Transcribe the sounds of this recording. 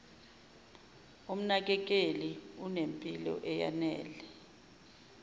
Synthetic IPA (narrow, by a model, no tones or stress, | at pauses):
um̩nak̬ʼɛk̬ʼeliunempʼilɔ̰ʔɛja̰nɛːlɛ